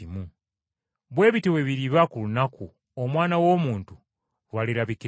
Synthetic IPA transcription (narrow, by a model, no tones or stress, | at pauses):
imu | βwe̞ːβitewe̞βiɾiβakulunaku | omwaːnawo̞ːmuːntu | ɾwaliɾaβiki